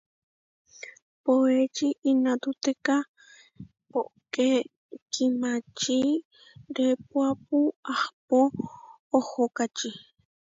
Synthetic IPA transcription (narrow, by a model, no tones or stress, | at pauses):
poet͡ʃiʔinãt̪ut̪eka | poʔke | kʰimat͡ʃi | ɾepuap̚uahpoː | hokat͡ʃi